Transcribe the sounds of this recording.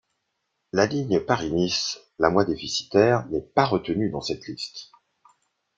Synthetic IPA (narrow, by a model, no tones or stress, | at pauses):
laliɲəpaʁinis | lamwad̪efisi̥t̪ɛʁnɛpaʁət̪ənyd̪ɑ̃sɛt̪list̪